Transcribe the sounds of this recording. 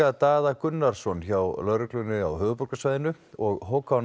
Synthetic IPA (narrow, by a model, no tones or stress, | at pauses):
at̪aːðakʏnːaɾ̥sɔnçawlœɾʏklʏnʏa̰wɦʏːvʏpɔɾkasvaːjðɪnʏ | ɔɣɦowka